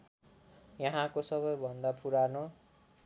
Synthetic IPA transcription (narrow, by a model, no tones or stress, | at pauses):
jʌɦãkosʌβʌjbʱʌnd̪apuɾano